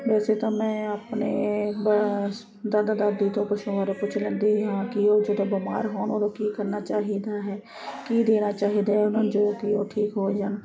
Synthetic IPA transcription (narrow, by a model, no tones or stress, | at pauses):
ʋɛːset̪omɛ̃əpneb | d̪ɐd̪d̪ad̪it̪opʊʃuəɾepʊt͡ʃʰlẽnd̪ijɦãkiod͡ʒoːt̪oboma̰ːɾɦoːnod̪okikəɾnat͡ʃaːɦid̪aɦɛː | kid̪eːnat͡ʃaːɦid̪aɦɛʊnənd͡ʒoːkioʈʰiːkɦoːd͡ʒan